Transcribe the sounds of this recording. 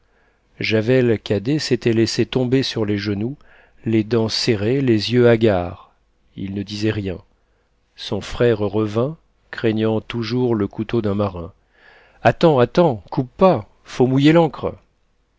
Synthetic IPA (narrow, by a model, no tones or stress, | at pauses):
ʒavɛlkad̪eset̪ɛlɛset̪ɔ̃besyʁleʒənu | led̪ɑ̃seʁelezjøaɡʲaʁ | ḭlnəd̪izɛʁjɛ̃ | sɔ̃fχɛʁʁəvɛ̃ | kχeɲɑ̃t̪uʒuʁləkut̪od̪ɛ̃maʁɛ̰̃ | at̪ɑ̃at̪ɑ̃kupːa | fomujelɑ̃kχ